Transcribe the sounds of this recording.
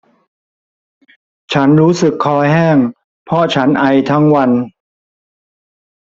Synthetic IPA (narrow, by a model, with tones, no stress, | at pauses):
t͡ɕʰa˦˥nɾuː˦˥sɯ˨˩kʰːɔː˧˥ɦɛː˥˩ŋ | pʰɔ˦˥t͡ɕʰa˦˥nʔa˧jt̪ʰa˦˥ŋwa˧n